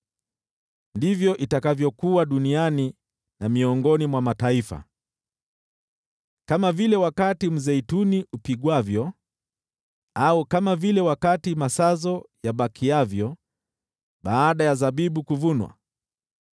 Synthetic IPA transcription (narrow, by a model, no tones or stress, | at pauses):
ndivjɔʔitakavjɔkuwaɗuniani | namiɔŋɡɔnimwamataifa̰ | kamavilɛwakatim̩zɛituniʔupiɠwavjɔ | aukamavilɛwakatimasazɔjaɓakʰiavjɔ | ɓaːɗajazaɓiɓukuvunwa̰